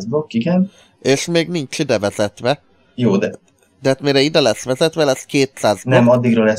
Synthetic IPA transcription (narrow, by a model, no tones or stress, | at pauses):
zbokːiɡɛn | eːʃmeːɡnint͡ʃid̪ɛvɛz̥ɛt̪ʋɛ | joːd̪ɛ | d̪ɛaːt̪meːɾɛid̪ɛlɛsʋɛzɛt̪ʋɛlɛskeːt̪saːzbnɛmɒd̪ːiɡɾɒlɛs